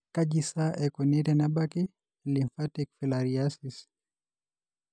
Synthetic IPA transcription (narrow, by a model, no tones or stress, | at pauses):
kad͡ʒisaʔɛkɔnɛɾanabaki | liɱfatikfilaɾiasis